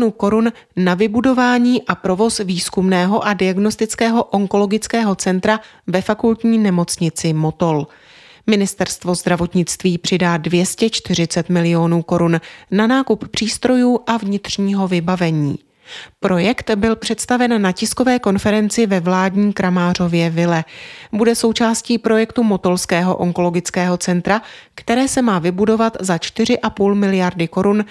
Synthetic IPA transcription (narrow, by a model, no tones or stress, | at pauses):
nuːko̞ɾunː | avɪbudo̞vaːɲiːʔapɾo̞vo̞sviːskumnɛːɦo̞ʔadɪaɡno̞st̪ɪt͡skɛːɦo̞ʔo̞ŋko̞lo̞ɡɪt͡skɛːɦo̞t͡sɛnt̪ɾa | vɛfakult̪ɲiːnɛmo̞t͡sɲɪt͡sɪmo̞t̪o̞l | mɪnɪst̪ɛɾst̪vo̞zd̪ɾavo̞t̪ɲɪt͡st̪viːpr̥ɪdaːdvjɛscɛt͡ʃt̪ɪr̝ɪt͡sɛt̪mɪlɪo̞nuːko̞ɾunːanaːkuppr̝̥iːst̪ɾo̞juːʔavɲɪt̪r̝̥ɲiːɦo̞vɪbavɛɲḭː | pɾo̞jɛkt̪bɪlpr̝̥ɛt̪st̪avɛnːacɪsko̞vɛːko̞nfɛɾɛnt͡sɪvɛvlaːdɲiːkɾʔamaːr̝o̞vjɛvɪlɛbudɛso̞wt͡ʃaːsciːpɾo̞jɛkt̪umo̞t̪o̞lskɛːɦo̞̰ʔoŋko̞lo̞ɡɪt͡skɛːɦo̞t͡sɛnt̪ɾakt̪ɛɾɛːsɛmaːvɪbudo̞vat̪zat͡ʃt̪ɪr̝ɪʔapuːlmɪlɪjaɾdɪko̞ɾun